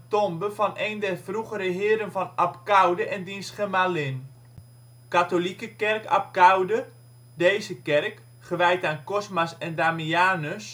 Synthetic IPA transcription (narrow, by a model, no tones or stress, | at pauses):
tɔmbəvɑnejndɛrvruχəɾəɦɪːɾənvɑnapkawdəʔɛndinsχəmalɪn | katolikəkɛrka̰p̚kawdə | dejzəkɛrk | χəʋɛjtaːnkɔsmasɛndaːmiaːnəs